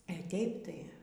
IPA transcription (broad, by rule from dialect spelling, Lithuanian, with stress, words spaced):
ɐ ˈtʲeːɪp tɐɪ